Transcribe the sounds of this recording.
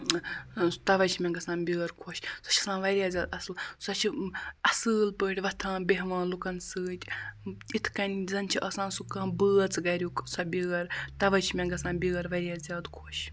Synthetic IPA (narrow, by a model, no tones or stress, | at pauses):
t̪ɐʋɐt͡ʃʰmʲeŋɡɐsãːnbʲiːɐɾkʰoʃʲsɐ̥t͡ʃʰɐsãːnʋɐɾʲjaːzʲaːd̪ɐsɨlsɐt͡ʃʰiɐsɨːlpəːɽʲʋɐt̪ʰãːbʲeɦʋãːnlukɐnsɨːt̪ʲit̪ʰkɐnʲzɐnʲt͡ʃʰiʔɐːsãːnsukãːbɨːɐt͡sɡɐɾʲjuːksɐbʲiɐɾt̪ɐʋɐt͡ʃʰimʲeŋɡɐsãːnbʲiːɐɾʋɐɾʲjaːzʲjaːd̪kʰoʃ